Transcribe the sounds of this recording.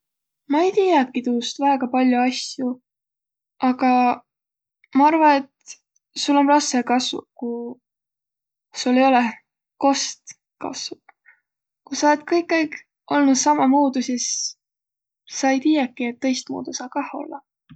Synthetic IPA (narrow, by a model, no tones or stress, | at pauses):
mɑejt̪iːjɑkːit̪uːst̪væeɡ̥ɑpɑlʲjuɑsju | ʔɑɡ̥ɑ | mɑɑrvɑne̞t̪ | sulːo̞nplɑsekɑsvṵku | sulːe̞jo̞le | ko̞st̪ | kɑ̰svup | kusɑolet̪kɤjkːejk | ʔo̞lnud̪̥sɑmɑmuːd̪̥usis | ɑejt̪iːjɑkːˑiet̪ːɤ̞jst̪̚mṵːd̪̥usɑːkɑho̞̰lːɑ